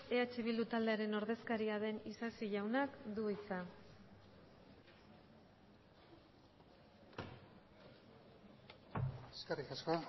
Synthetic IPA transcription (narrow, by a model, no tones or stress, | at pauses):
e̞at͡ʃe̞βild̪ut̪ald̪e̞aɾe̞no̞ɾðe̞skaɾiaðe̞nisasiʝawnakd̪uit͡sa | eskerikasko